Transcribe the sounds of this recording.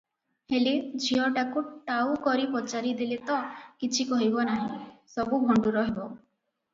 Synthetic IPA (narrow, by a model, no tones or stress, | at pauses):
heled͡ʒʱiɔʈakuʈawkɔɾipɔt͡ʃaɾid̪ilet̪ɔkit͡ʃʰikɔɦibɔnaɦĩsɔbubʱɔɳɖuɾɔɦebɔ